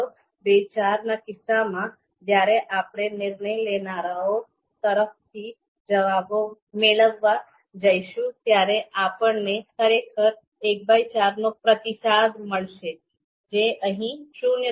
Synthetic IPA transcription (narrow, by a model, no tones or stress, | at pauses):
bet͡ʃaɾnakɪsamã | d͡ʒjaɾeʔapɽ̃enɪɾnəjlenaɾao | t̪əɾəft̪ʰi | d͡ʒəʋabo | meɭəʋːa | d͡ʒəjʃũt̪jaɾeʔapəɳnekʰəɾekʰəɾ | ek̚bʱajt͡ʃaɾnopɾət̪isad̪ʱməɭʃe | d͡ʒeəɦĩʃunjə